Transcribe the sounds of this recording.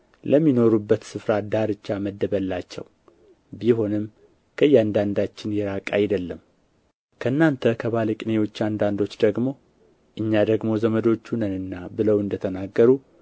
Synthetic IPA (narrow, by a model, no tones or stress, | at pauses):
ləmːino̞ɾubːət̪sɨfɾad̪aɾɨt͡ʃːaməd̪ːəβəlːat͡ʃːɛ̰w | biho̞nɨm | kʰəjːɛand̪and̪at͡ʃːɪnjɛɾakʼajd̪əlːəm | kʰəɨnːant̪ʰəkʰəβaləkʼnewo̞t͡ʃːand̪and̪o̞t͡ʃːd̪əɡmo̞ | ʔɨɲːad̪əɡmo̞zəməd̪o̞t͡ʃːunənɨnːabɨləwɨnd̪ət̪ʰənaɡːəɾu